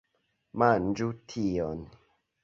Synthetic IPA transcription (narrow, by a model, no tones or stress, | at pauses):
mand͡ʒutʰion